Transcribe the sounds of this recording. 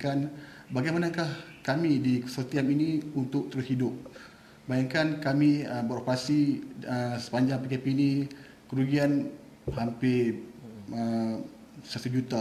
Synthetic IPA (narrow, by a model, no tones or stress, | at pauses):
kan | baɡajmanakahkamĩdikə̥sərt̪iaminĩunt̪ʊk̚t̪əɾʊshidʊp̚ | bajaŋkankamĩəbəɾopəɾasiəsə̥paɲd͡ʒaŋpikepiːnĩ | kəɾuɡian | hampɪ | ə | sat̪ud͡ʒut̪a